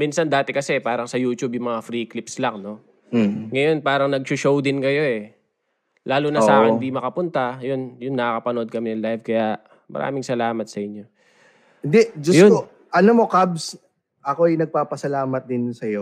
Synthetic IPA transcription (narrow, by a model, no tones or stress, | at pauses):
minsɐnd̪aːt̪ɛkɐsɛpaːɾɐŋsɐjuːt͡ʃubjʊŋmɐŋafɾiːklɪpslɐŋno̞ | ŋɐjo̞npaːɾɐŋnɐɡ̚ʃʊʃowd̪ɪnkɐjo̞ɛ | lʔaːlunɐsaːkɪnd̪imɐkɐpʊnt̪ajonjʊnːɐkɐkɐpɐnoʔo̞d̪̚kɐmɪnɐlajvkɐja | mɐ̰ɾʔa̰ːmɪŋsɐlaːmɐt̪̚sɐʔɪɲːo̞ | hɪnd̪ɛd͡ʒʊsjʊo | ʔɐnomo̞kabs | ʔɐkoɐjnɐɡ̚paːpɐsɐlaːmɐt̪̚d̪ɪnsɐjo